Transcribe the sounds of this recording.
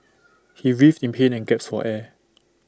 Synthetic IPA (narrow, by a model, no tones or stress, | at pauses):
hiɹiftĩnpʰẽnɛ̃nɡɛp̚sfɔ̰ʔɛ